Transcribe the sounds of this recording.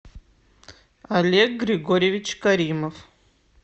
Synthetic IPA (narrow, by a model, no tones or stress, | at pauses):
alʲek̚ɡɾʲiɡoɾʲijevʲit͡ʃʰkaɾimov